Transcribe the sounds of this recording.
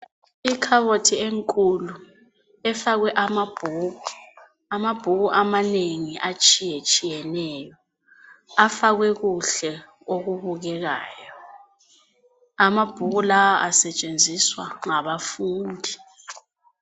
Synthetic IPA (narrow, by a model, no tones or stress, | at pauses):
ikʰaβotʰieŋkʼulu | ɛfaɣwɛʔamab̥ʱuːɣu | amab̥ʱuɣuʔamaneŋiʔat͡ʃʼijɛt͡ʃʼijɛnɛjɔ | afaɣwɛɣuɬɛ | oɣuβuɣɛɣa̰ːjɔ | amab̥ʱuɣulawaʔasɛt͡ʃʼend͡zʱiswaŋaβafuːndʱi